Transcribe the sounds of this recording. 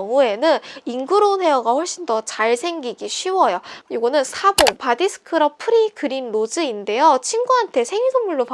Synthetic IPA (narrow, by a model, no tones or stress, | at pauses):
ŋue̞nɯninɡɯɾonɦe̞ʌɡaɸoɭɕ͈indʌt͡ɕaɭsʰe̞ŋɡiɡiɕʰɥiwʌjoiɡʌnɯnsʰaboŋpadisʰɯ̥kʰɯɾʌpʰɯɾikɯɾimnod͡ʑɯinde̞jot͡ɕʰiŋɡuɦantʰe̞sʰe̞ŋisʰoŋmuɭːop